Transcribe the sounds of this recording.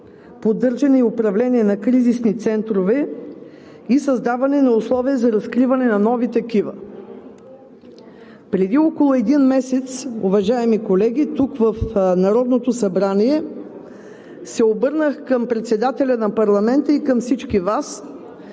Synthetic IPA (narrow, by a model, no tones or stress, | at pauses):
pod̪ɤɾʒɐnɛiʊpɾɐvlɛnʲiɛnɐkɾizisnit̪sɛnt̪ɾovɛ | isɐzd̪avɐnɛnɐʊslˠɔviəzɐɾɐskɾivɐnɛnɐnɔvit̪ɐkivə̰ | pɾɛd̪iɔkolˠʊɛd̪inmɛsɛt̪sʊvɐʒaɛmikolɛɡ̟ʲit̪ukvəfnɐɾɔd̪not̪osɐbɾaniɛ | sɛobɤɾnəxkəmpɾɛt̪sɛd̪at̪ɛlʲɐnɐpɐɾlˠɐmɛnt̪əikəmfsit͡ʃkʲivas